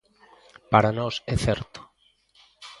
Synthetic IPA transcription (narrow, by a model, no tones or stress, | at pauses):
paɾanɔsɛθɛɾt̪o̥